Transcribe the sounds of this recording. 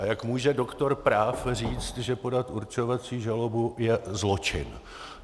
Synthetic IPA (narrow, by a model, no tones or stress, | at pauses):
ajakmuːʒɛdokt̪o̞ɾpɾaːfr̝iːt͡st̪ʒɛpo̞dat̪ʔuɾt͡ʃo̞vat͡siːʒalobujɛzlo̞t͡ʃɪ̰n